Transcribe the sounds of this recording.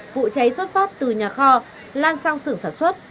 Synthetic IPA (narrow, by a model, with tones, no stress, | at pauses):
vṵ˧˨t͡ɕa˨˦jswə˦˥t̚fɔː˦˥t̚t̪ɨ˨˩ɲaː˨˩xɔ˧ | laː˧nsa˧ŋsɨ˧˩əŋsaː˧˩nswə˦˥t̚